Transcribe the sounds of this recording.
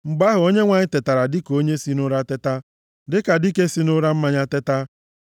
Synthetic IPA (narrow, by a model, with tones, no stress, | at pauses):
ŋ͡m̩˨ɡ͡ba˦ɦʊ˨o˦ɲe˦ŋʷa˨ɲɪ˦tɪ˨ta˨ɾa˨dɪ˦ko˦ɲe˦si˦nʊ˦ɾa˦tɪ˦ta˦ | dɪ˦ka˨dɪ˦ke˦si˦nʊ˦ɾa˦m̩˦ma˦ɲa˦tɪ˦ta˦